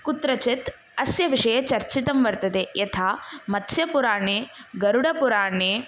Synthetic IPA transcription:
kut̪ɾɐt͡ʃit̪ | ɐsjɐʋiʂɐjɐt͡ʃɐɾt͡ʃit̪ɐmʋɐɾt̪ɐd̪ejɐt̪ʰaːmɐt̪ʰsjɐpuɾaːɳeːɡɐɾuɽɐpuɾaːɳeː

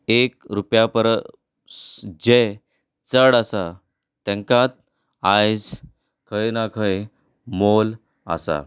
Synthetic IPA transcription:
ek̚ɾupjapəɾ | d͡ʑe | t͡səɽasa | t̪ɛ̃ŋkãt̪̚ | ajd͡z | kʰəjnakʰəj | mol | a̰sa̰

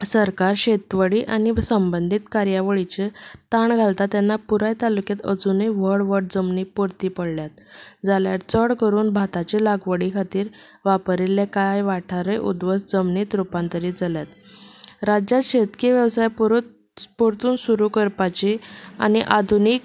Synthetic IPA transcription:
səɾkaɾɕet̪ʋəɽiːʔañisəmbənd̪ʱit̪kaɾjaʋəɭit͡ɕet̪aɳɡʱalt̪at̪janːapuɾajt̪alukjat̪əd͡zunəjʋəɽʋəɽ̚d͡zəmniːpuɾt̪iːpəɽljat̪̚d͡zaljaɾt͡səɽkəɾuːnbʱat̪at͡ɕelaɡʋəɽikʰat̪iːɾ | ʋapɾilːekajʋaʈʰaɾəjʔṵd̪ʋəsd͡zəmniːt̪ɾupãnt̪əɾiːd͡zʱaljat̪ | ɾad͡ʑjat̪ɕet̪keʋjəʋsajpɾ | poɾt̪uːnsuɾukəɾpat͡ɕia̰niʔad̪ʱunik̚

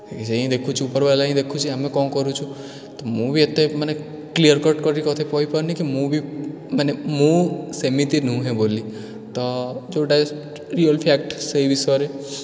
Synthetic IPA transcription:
kd͡ʒeĩd̪ekʰũt͡ʃʰiupəɾʋalaɦĩd̪ekʰũt͡ʃʰiamẽkɔ̃kɔɾũt͡ʃʰũ | t̪ɔmũbʱiet̪ːemane | kliəɾkɔɾʈkɔɾiikɔt̪ʰepɔipɔɾnikimũbʱi | manemũsemit̪inũɦẽboli | t̪ɔd͡ʒoɖas | ɾiəlpʰak̚ʈseʋisɔɾe

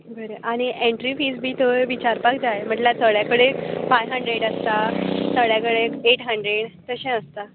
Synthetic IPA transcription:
ɡʱəɾeʔaɽ̃iʔẽɳʈɾifiːsbʱiːt̪oʋit͡ɕaɾpak̚d͡zajm̤əɳlat̪əɭjakəɽekbajɦəɳɖɾeɽəst̪at̪əɭjakəɽekeʈɦəɳɖɾeɽt̪əɕɛ̃əst̪a

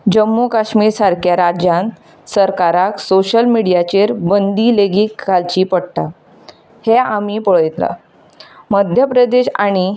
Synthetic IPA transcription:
d͡ʑəmːukaɕmiːɾsaɾkjaɾad͡ʑjãn | səɾkaɾaksoɕəlmiɽijat͡ɕeɾbənd̪ileɡikːalt͡ɕiːpəɽt̪a | heamipəɭəjt̪la̰ | məd̪ʱjəpɾəd̪eɕaɽ̃i

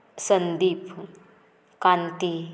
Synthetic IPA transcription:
sənd̪iːpʰ | kãnt̪i

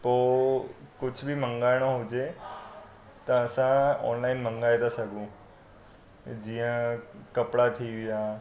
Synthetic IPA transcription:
poːkʊd͡ʑʱʊbʱimə̃ŋɡaːɪɽ̃oɦʊd͡ʑe | t̪ɐːsãɔ̰ːnlaːɪnmə̃ŋɡaːet̪asɐɡʱũ | d͡ʑiːə̃kɐpɽat̪ʰiʋijaː

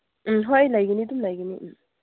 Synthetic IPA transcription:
m̩ɦojlajɡənidumlajɡəniʔ

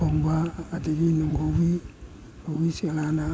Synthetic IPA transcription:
ombaːdeɡinuŋɡowi | owisialana

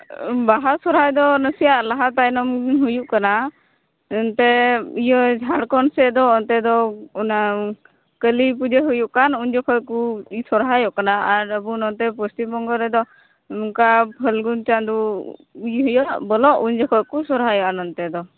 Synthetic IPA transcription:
baɦasɔɾɦajd̪ɔnəsijaʔlaɦat̪ajnɔmɦujuʔkana | ɔnt̪ɛijɔd͡ʒʱaɽkɔnsɛʔd̪ɔːnt̪ɛd̪ɔuna | kəlip̬ud͡ʒeɦujuʔkanuɲd͡ʒɔkʰɔjkuisɔɾɦajɔʔkanaaɾəbunɔnt̪ɛpɔst̪ibɔŋɡɔɾɛd̪ɔ | muŋkapʰəlɡunt͡ʃand̪u | jɦəjɔʔbɔlɔʔuɲd͡ʒɔkʰɔjkusɔɾɦajɔʔanɔnt̪ɛd̪ɔ

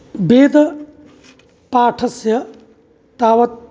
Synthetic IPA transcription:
beːd̪ɐ | paːʈʰɐsjɐ | t̪aːʋɐt̪̚

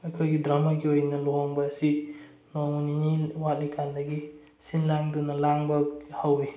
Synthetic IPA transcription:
ɐkʰojɡidɾamɐɡiojnɐlɔɦɔŋbɐsi | noŋniniwat̚likʰandɐɡi | sinlaŋdunɐlaŋbɐhawi

